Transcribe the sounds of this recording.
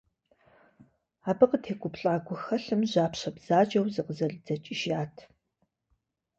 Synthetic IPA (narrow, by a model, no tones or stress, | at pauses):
aːbɨqətʰeːkʷʰʼʊpɬʼaːɡʷʊxɐɬɨmʑaːpɕɐbz̥aːd͡ʒɐwzɨqəzɐɮd͡zɐt͡ʃʼɪʒaːtʰ